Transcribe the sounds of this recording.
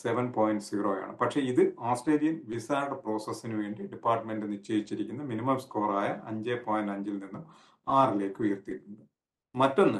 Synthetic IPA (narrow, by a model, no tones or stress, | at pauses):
seʋɐnpoːjinɖsiʋroːja̰ːɳɨ̰pɐʈʂe̞iðɨaːsʈeːlijɐnʋisaːɐɽɐpro̞ːsɐsːinuʋe̞ːɳɖiɖipːaːrʈːɐme̞ɳɖɨnit͡ɕːeːjit͡ɕːiɾikʲːunːɐminimɐmskoːraːjɐʔɐ̰ɲd͡ʑepoːjnɖɐɲd͡ʑilninːum | aːrile̞ːkːɨujɐrt̪iʈːuɳdɨ | mɐtːo̞nːɨ